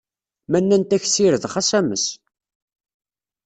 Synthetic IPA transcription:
mænːænt̪æçsiɾəðχæsæməs

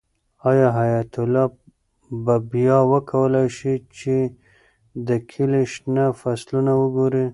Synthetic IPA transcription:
ɑjɑɦajat̪ʊlɑ | babjɑwəkʰawəlajʃit͡ʃe | d̪əkʰɪleʃnafaslunawəɡoɾi

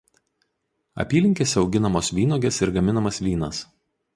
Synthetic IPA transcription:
ɐ̰pʲiːlʲɪŋʲkʲeːsʲɛɒʊɡʲɪnɐmoːsʋʲiːnoːɡʲesɪɾɡɐmʲɪnɐmɐsʋʲiːnɐ̰s

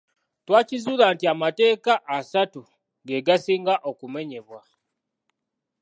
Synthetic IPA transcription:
twaːcizuːlaːntiamate̞ːkaʔasatu | ɡe̞ɡasiːŋɡaʔo̞kume̞ɲe̞βwa

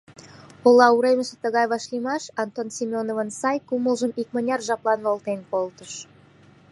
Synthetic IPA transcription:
olɑuɾeməse̥t̪ə̆ɣɑjβɑʃlimɑʃɑnt̪onsʲimʲonovənsɑjkuməlʒəmik̚mə̆nʲɑrʒɑplˠɑnβolˠt̪enkolt̪əʃ

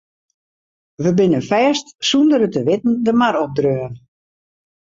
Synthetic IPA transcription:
ʋəbɪnəfɛːstsundəɾətəʋɪtn̩dəmaɾɔp̚drøːən

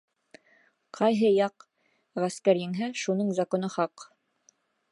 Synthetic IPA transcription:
qʰɑjɦɤjɑq | ʁæskæɾjɘ̆ŋɦæʃunɤɴzɐkonɤχɑq

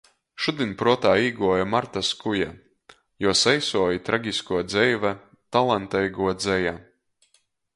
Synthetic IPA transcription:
ʃud̪inʲpɾuɔt̪aːiːɡuɔjamaɾt̪askuja | juɔsɛjsuɔjit̪ɾaɡʲiskuɔd̪zɛjvæ | t̪alˠant̪ɛjɡuɔd̪zɛja

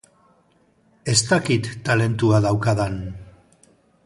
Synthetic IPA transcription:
e̞st̪akit̪ːale̞nt̪uaðawkaðan

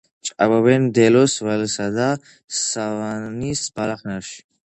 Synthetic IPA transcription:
t͡ʃʼababɛnmd̪ɛlɔsvɛlsad̪a | savanisbalaχnaɾʃi̥

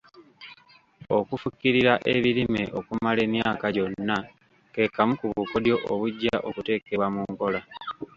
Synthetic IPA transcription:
o̞kufukːiɾiɾaʔeβilimeʔo̞kumale̞ːmjaːkaɟo̞nːa | ke̞ːkamukuβukodjo̞ʔoβuɟːaʔo̞kute̞ːke̞βwamuŋko̞la

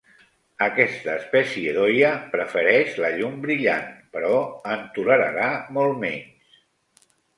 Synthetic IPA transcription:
əkɛst̪əːspɛsieðojəpɾəfəɾɛʃləʎumbɾiʎanpəɾɔənt̪uləɾə̰ɾamolˠmɛɲs

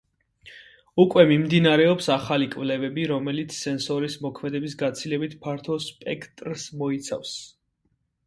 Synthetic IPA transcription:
ukʼwɛmimd̪inaɾɛɔpsaχalikʼvlɛvɛbiɾɔmɛlit̪sʰsɛnsɔɾismɔkʰmɛd̪ɛbis̬ɡat̪sʰilɛbit̪ʰpʰaɾt̪ʰɔspʼɛkʰt̪ʼɾsmɔit̪sʰa̰fs

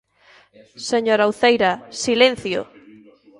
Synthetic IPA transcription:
seɲoɾawθejɾɐsilẽn̟θjʊ̰

